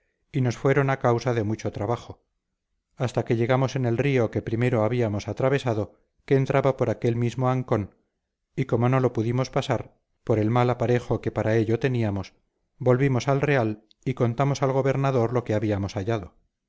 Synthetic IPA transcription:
ino̞sfwe̞ɾo̞nakawsaðe̞mut͡ʃo̞t̪ɾaβaχo̞ | ast̪ake̞ʎe̞ɣamo̞se̞ne̞lrio̞ke̞pɾime̞ɾo̞aβiamo̞sat̪ɾaβ̞e̞saðo̞ | ke̞ːnt̪ɾʔaβapo̞ɾake̞lmizmo̞aŋko̞n | iko̞mo̞no̞lo̞puðimo̞spasaɾ | po̞ɾe̞lmalapaɾe̞xo̞ke̞paɾae̞ʎot̪e̞niamo̞s | bo̞lβimo̞salre̞al | iko̞nt̪amosalɣ̞o̞βe̞ɾnaðo̞ɾlo̞ke̞aβiamo̞saʎaðo̞

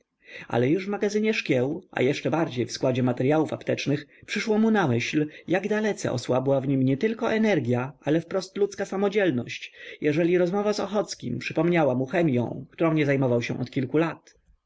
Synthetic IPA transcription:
ʔa̰lɛjuʐvmaɡazɘɲɛʂkʲjɛwʔa̰jɛʂt͡ʂɛbaɾd͡ʑejfskwad͡ʑɛmat̪ɛɾjawufa̰pt̪ɛt͡ʂnɘxpʂɘʂwɔmunamɘɕljaɡd̪alɛt̪sɛ̰ʔɔ̰swabwavɲimɲɛt̪ɘlkɔʔɛnɛɾɡʲjaʔalɛfpɾɔst̪lut̪skasamɔd͡ʑɛlnɔ̰ɕt͡ɕjɛʐɛlʲiɾɔzmɔvazɔxɔt̪skʲḭmpʂɘpɔmɲawamuxɛmʲjɔ̰̃w̃k̚t̪uɾɔ̃w̃ɲɛzajmɔvawɕɛ̰ʔɔ̰t̪kʲilkulat̪

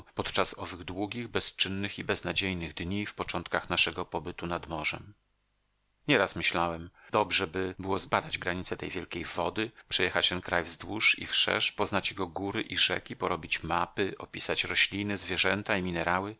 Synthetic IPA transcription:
pɔt̪t͡ʂasɔvɘɣd̪wuɡʲiɣbɛst͡ʂɘnːɘxibɛznad͡ʑejnɘɣd̪ɲifpɔt͡ʂɔnt̪kaxnaʂɛɡɔpɔbɘt̪unad̪mɔʐɛ̰m | ɲɛɾasmɘɕlawɛmd̪̥ɔbʐɛbɘbɘwɔzbad̪ad͡ʑɡɾaɲit̪sɛt̪ɛjvjɛlkʲejvɔd̪ɘpʂɛjɛxat͡ɕt̪ɛnkɾajvzd̪wuʂḭfʂɛ̰ʂpɔznat͡ɕjɛɡɔɡuɾɘʔiʐɛ̰kʲipɔɾɔbʲit͡ɕmapɘʔɔpʲisat͡ɕɾɔɕlʲinɘzvʲjɛʐɛnt̪aimʲinɛɾawɘ

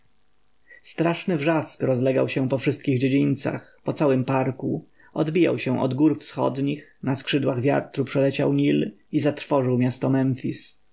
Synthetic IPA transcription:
st̪ɾaʂnɘvʐaskɾɔzlɛɡa̰wɕɛ̃pɔfʂɘst̪̚kʲiɣd͡ʑed͡ʑint̪sa̰xpɔt̪sawɘmpaɾkṵ | ɔd̪bʲija̰wɕɛ̃ʔɔ̰d̪ɡuɾfsxɔ̰d̪ɲixnaskʂɘd̪waɣvʲja̰ɾt̪ɾupʂɛlɛt͡ɕa̰wɲil | izat̪ɾfɔʐɘwmʲjast̪ɔmɛɱfʲis

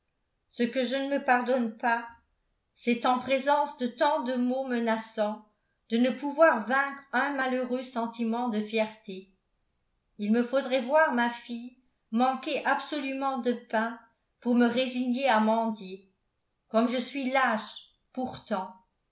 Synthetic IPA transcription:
səkəʒənəməpaʁd̪ɔnpa | sɛt̪ɑ̃pχezɑ̃sd̪ət̪ɑ̃d̪əmomənasɑ̃ | d̪ənəpuvwaʁvɛ̃kχœ̃maløʁøsɑ̃t̪imɑ̃d̪əfjɛʁt̪e | ilməfod̪ʁɛvwaʁmafij | mɑ̃keʔabsɔlymɑ̃d̪əpɛ̃ | puʁməʁeziɲjeamɑ̃d̪je | kɔmʒəsɥilaʃ | puʁt̪ɑ̃

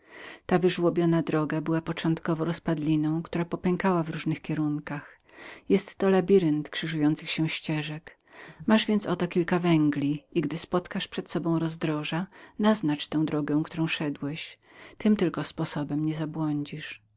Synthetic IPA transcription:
t̪avɘʐwɔbʲjɔnad̪ɾɔɡabɘwapɔt͡ʂɔ̃nt̪kɔvɔɾɔspad̪lʲinɔ̃w̃kt̪uɾapɔpɛŋkawavɾuʐnɘxkʲɛɾuŋkax | jɛst̪ːɔlabʲiɾɘnt̪kʂɘʐujɔnt̪sɨxɕɛ̃ɕt͡ɕɛʐɛk | maʐvʲjɛnt̪sɔt̪ɔkʲilkavɛŋɡlʲiiɡd̪ɘspɔt̪kaʂpʂɛt̪sɔbɔ̃w̃ɾɔzd̪ɾɔʐanaznat͡ʂt̪ɛ̃w̃d̪ɾɔɡɛ̃w̃kt̪uɾɔ̃w̃ʂɛd̪wɛɕ | t̪ɘmt̪ɘlkɔspɔsɔbɛmɲɛzabwɔɲd͡ʑiʂ

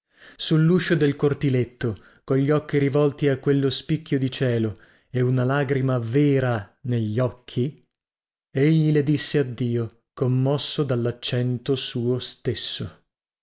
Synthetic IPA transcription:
sulːuːʃod̪elkort̪ilet̪ːo | koʎːɔkːiɾivɔlt̪iakːwelːospikʰːjod̪it͡ʃɛːlo | eunalaːɡɾimaveːɾaneʎːɔkʰːi | eʎːiled̪isːead̪ːiːo | komːɔsːod̪alːat͡ʃːɛnt̪osuːost̪esːo

